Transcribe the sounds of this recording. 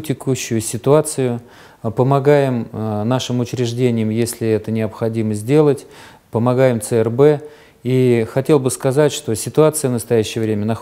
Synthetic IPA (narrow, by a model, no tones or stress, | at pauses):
tʲɪkuɕːʊjʊsʲɪt̪ʊat̪sɨjʊ | pəmɐɡajɪmnaʂɨmʊt͡ɕɾʲɪʐdʲenʲɪjəmjesʲlʲɪɛt̪ənʲɪəpxɐdʲiməzʲdʲe̞lˠətʲ | pəmɐɡajɪmt̪səɛrbɛ | ixɐtʲe̞lˠbɨskɐzatʲʂt̪o̞sʲɪt̪ʊat̪sɨjəvnəst̪ɐjæɕːɪjəvɾʲemʲənɐx